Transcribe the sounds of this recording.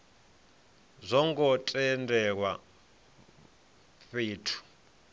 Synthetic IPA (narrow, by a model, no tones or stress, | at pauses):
zʷɔŋɡɔtʼɛndʱɛk̬wa | ɸeːtʰu̥